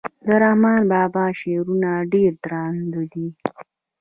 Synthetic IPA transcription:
d̪əɾahmɑnbɑːbɑʃeɾunaɖeɾd̪ɾɑnd̪əd̪i

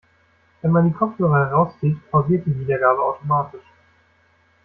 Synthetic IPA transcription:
v̥ɛnmandiːkʰɔpp͡fhøːʁəhɛʁaʊst͡siːtpʰaʊziːɐt̚d̥iːviːdɐɡaːbəa̰ʊtʰomaːtɪʃ

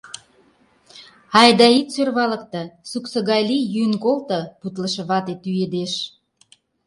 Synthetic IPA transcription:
ɑjd̪ɑit̪sørβɑlə̆kt̪ɤ̆suksə̆ɣɑjlijynkolt̪ɤ̆put̪ləʃɤ̆βɑt̪et̪yed̪eʃ

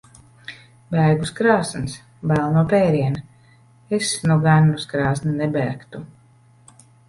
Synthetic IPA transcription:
bæːɡuskɾaːsns | bælˠnuɔpɛːɾiɛn | esnuɡanːuskɾaːsnnɛbæːkt̪u

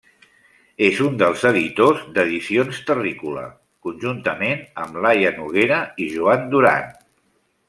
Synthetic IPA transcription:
ezund̪əlˠzəðit̪ozd̪əðisionst̪ərikulə̰ | kunʲʒunt̪əmenəmlajənuɣ̞eɾəiʒuand̪uɾa̰n

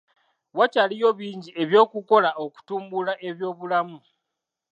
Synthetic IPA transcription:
wacalijo̞βiːɲɟie̞βjo̞ːkuko̞laoku̥tuːmbulaʔe̞βjo̞ːβulamu

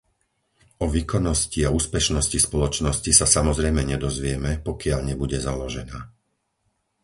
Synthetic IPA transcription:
ɔʋiːkɔnːɔsciauːspɛʃnɔscispɔlɔt͡ʃnɔscisasamɔzɾɛjmɛɲɛd̪ɔzʋɪɛmɛpɔkɪaʎɲɛbuɟɛzalɔʒɛnaː

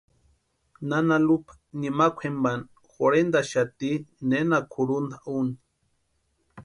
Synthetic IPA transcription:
nanalupḁ | nimakʷʰemban | xoɾend̪aʃat̪inenakʰuɾund̪aʔuni

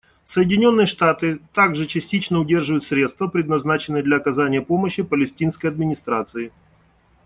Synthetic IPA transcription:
səjɪdʲɪnʲo̞nːɨjəʂt̪at̪ɨt̪aɡʐɨt͡ɕɪsʲtʲit͡ɕnəʊdʲe̞rʐɨvəjʊt̪sɾʲe̞t̪st̪vəpɾʲɪd̪nɐznat͡ɕɪnːɨjəd̪lʲɐɐkɐzanʲɪjəpo̞məɕːɪpəlʲɪsʲtʲinskəjɐd̪mʲɪnʲɪst̪ɾat̪sɨɪ

